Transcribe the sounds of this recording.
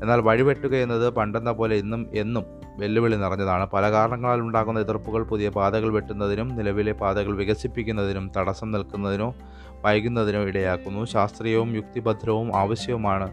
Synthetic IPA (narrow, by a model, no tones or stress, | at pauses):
e̞nːaːlʋɐɻiʋe̞ʈːuɣɐenːɐðɨpɐɳɖenːɐpo̞ːle̞inːume̞nːum | ʋe̞lːuʋeɭinirɐɲːɐðaːɳɨpɐlɐkaːɾɐɳɐŋːɐɭaːluɳɖaːɣunːɐiðɐrpːuɣɐɭpuðijɐpaːd̪ɐɣɐɭʋe̞ʈːunːɐðinumnilɐʋile̞baːd̪ɐɣɐɭʋiɣɐsipːikʲːunːɐðinumt̪ɐɽɐsɐmnɐlkunːɐðinoː | pɐjɣunːɐðinoːiɽɐjaːkːunːuɕaːst̪rijɐʋumjuk̚t̪ibɐd̪ʱɾɐʋumaːʋɐɕjɐʋumaːɳɨ